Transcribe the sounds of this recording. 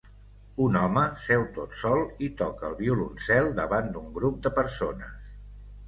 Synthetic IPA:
unɔməsɛwt̪ot̪sɔlˠit̪ɔkəlˠβiulṵnsɛlˠd̪əβand̪uŋɡɾup̚d̪əpəɾsonə̰s

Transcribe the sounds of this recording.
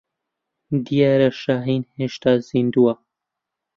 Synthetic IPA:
d̪ijaːɾaʃaːɦiːnheʃt̪aːziːnd̪uwa

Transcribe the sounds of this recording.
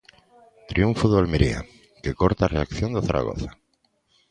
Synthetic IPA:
t̪ɾiuɱfuðoalmeɾia̰ | kekoɾt̪areakθjond̪eθaɾʔa̰ɣo̰θḁ

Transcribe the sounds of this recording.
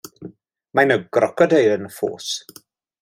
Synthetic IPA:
majnəɡ̥ɾɔkʰɔdejɾənfo̰ːs

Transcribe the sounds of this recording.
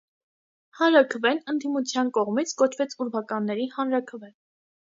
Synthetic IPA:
hɑnɾɑkʰəvɛnənd̪imut͡sʰjɑnkɔʁmit͡sʰkɔt͡ʃʰvɛt͡sʰuɾvɑkɑnːɛɾihɑnɾɑkʰəvɛn

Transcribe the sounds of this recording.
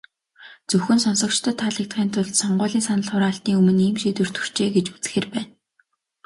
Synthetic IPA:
t͡sɵxɵ̆nsɔnsɞ̆k̚t͡ɕt̪ʰə̆t̪ʰːaɮik̚t̪χiːnt̪ʰʊɮt̪sɔɴɢʊːɮiːnsanə̆ɮχʊɾaːɬt̪niːŋɵmɵ̆niːmʃit̪ɵ̆r̥t̪ɵ̥r̥t͡ɕeːɡet͡ɕu̥t͡sɘ̥̆xeːrpæːn

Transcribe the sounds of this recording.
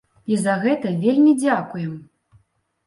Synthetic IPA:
izɐɣɛt̪ɐvʲelʲmʲid͡zʲakujɛm

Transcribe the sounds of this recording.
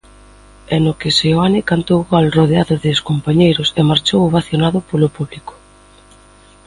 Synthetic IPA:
ɛnʊkɪseoanɪkant̪owɣalroð̞eaðʊðɪskompaɲejɾʊsemaɾt͡ʃowβaθjonaðʊpolopuβlikʊ̥

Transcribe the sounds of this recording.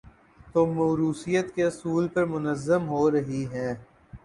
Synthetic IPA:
t̪oːmɐːɾuːsijət̪keɐsuːlpɐɾmʊnəzːəmɦoːɾɐɦiɦɛ̃ː

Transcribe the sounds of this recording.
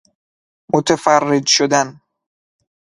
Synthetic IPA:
mot̪ʰefærːed͡ʒʃod̪æn

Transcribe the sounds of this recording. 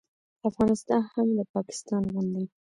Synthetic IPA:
afɣɑnɪst̪ɑnhamlapɑkɪ̥st̪ɑnɣʊnd̪a

